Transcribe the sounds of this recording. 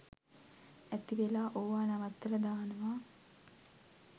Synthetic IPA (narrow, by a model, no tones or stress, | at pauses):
æt̪iʋelaːʔoʋaːnaʋat̪ːələd̪aːnəʋaː